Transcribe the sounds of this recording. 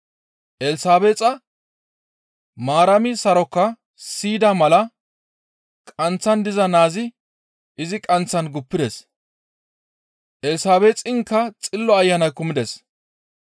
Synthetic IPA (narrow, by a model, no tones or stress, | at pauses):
ʔɛlsaːbeːt͡sʼɐ | maːɾɐmɪsɐɾɔkːɐ | siːd̪ɐmɐlɐ | kʼɐnt͡sːɐnd̪ɪzɐnaːzɪ | ɪzɪkʼɐnt͡sːɐnɡʊpːɪd̪ɛs | ʔɛlsaːbeːt͡sʼɪŋkːɐt͡sʼɪlːɔɐjːɐnɐjkːʊmɪd̪ɛs